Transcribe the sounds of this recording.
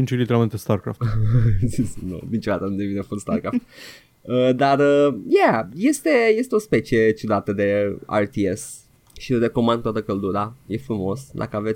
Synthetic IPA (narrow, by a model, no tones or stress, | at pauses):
int͡ʃelit̪eɾalment̪est̪aɾkɾa̰ft̪zisno̰d̪int͡ʃod̪at̪ənud̪evinefort̪st̪arkɾaft̪ | əd̪arəjæje̞st̪e̞je̞st̪eo̞spe̞t͡ʃie̞t͡ʃod̪at̪əd̪e̞a̰rt̪ies | ʃiɾe̞ko̞mand̪kt̪wat̪əkəld̪uɾaje̞fɾumo̞sd̪a̰kəave̞t̪sʲ